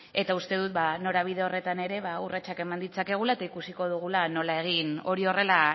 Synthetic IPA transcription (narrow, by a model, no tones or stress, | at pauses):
e̞t̪aust̪e̞ð̞ut̪̚bano̞ɾaβ̞ið̞eo̞re̞t̪ane̞ɾe̞βaurat͡ʃake̞mand̪it͡sake̞ɣ̞ulaet̪aikusiko̞ð̞uɣ̞ulano̞lae̞ɣ̞ino̞ɾio̞re̞la